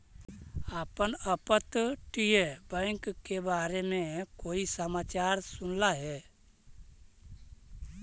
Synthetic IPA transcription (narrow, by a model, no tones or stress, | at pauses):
aːpənəpət̪ʈijebə̃ŋkkːebaːɾemẽkoːisəmaːt͡ʃaːɾsʊnlaɦɛ